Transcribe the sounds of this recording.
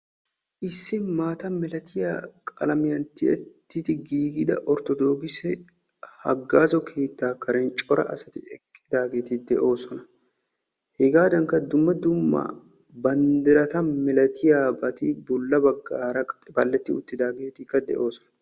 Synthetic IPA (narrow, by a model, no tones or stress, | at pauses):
ʔɪsːɪnmaːt̪ɐmɛlɐt̪ʰɪjaːkʼɐ̰lɐmɪjɐnt̪ɪʔɛt̪ːɪt̪ɪɡiːɡɪd̪ɐ̰ʔɔɾt̪ɔd̪o̞ːɡɪsɛ | hɐ̰ɡːaːzɔkʰeːt̪ːaːkːɐɾɛnt͡ʃʼɔɾɐ̰ʔɐsɐt̪ɪ̰ɛkʼːɪd̪aːɡe̞ːt̪ɪd̪ɛʔo̞ːsɔnɐ | hɛɡaːd̪ɐŋkɐd̪ʊmːɐd̪ʊmːɐ̰ | bɐnd̪ɪɾɐt̪ɐmɛlɐt̪ɪjaːbɐt̪ɪbʊlːɐbɐɡːaːɾɐbɐlːɛt̪ːɪʊ̰t̪ːɪd̪aːɡe̞ːt̪ɪkːɐd̪ɛ̰ʔo̞ːsɔ̥nɐ̥